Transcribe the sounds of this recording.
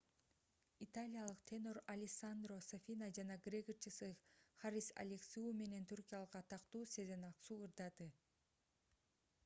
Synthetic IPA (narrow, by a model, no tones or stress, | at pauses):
it̪alʲijalˠɯqt̪ʲʰeno̞ɾalʲɪsand̪rosafʲinad͡ʒɑnɑɡrʲeɡɯt͡ʃɯsɯχaɾʲisa̰lʲeksʲiume̞ne̞nt̪ʰurkʲijalˠɯqɑt̪ʰɑqt̪uːsezenɑsuːɯɾd̪ɑd̪ɯ